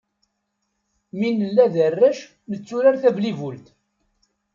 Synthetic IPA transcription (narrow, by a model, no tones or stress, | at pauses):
minəlːæðərːæʃ | nət͡sːuɾaɾθævlivʊlt̪